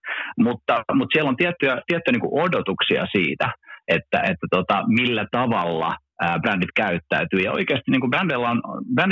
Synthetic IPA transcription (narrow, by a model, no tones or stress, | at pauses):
mut̪ːɑmut̪siælːont̪iæt̪ːyæt̪iæt̪ːyjæniːkuʔodot̪uksiɑ̰siːt̪æet̪ːæ̰ʔet̪ːæt̪ot̪ɑmilːæt̪ɑʋɑlːɑ̰ | əːbrændit̪kæyt̪ːæyt̪yːjɑo̰ikeːst̪iniːŋkubrændelːæonb̥ræn